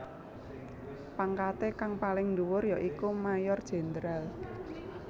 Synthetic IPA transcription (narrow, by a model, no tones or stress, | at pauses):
paŋkat̪ekaŋpalɪŋnduwʊrjɔʔikumajɔrd̥ʒ̥e̤nd̪ɾal